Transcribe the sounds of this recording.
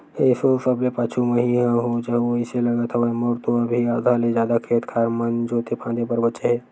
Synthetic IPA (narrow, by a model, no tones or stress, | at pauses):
eːsosɐblepaːt͡ʃʰumɐɦiɦãɦot͡ʃɐɦʋoɪselɐɡət̪ʰaʋomɔɾt̪oɐbʱiaːd̪ʱalezjaːd̪akʰeːt̪kʰaːɾmənd͡ʒoːt̪epʰãːnd̪epəɾbətːʃeɦɛː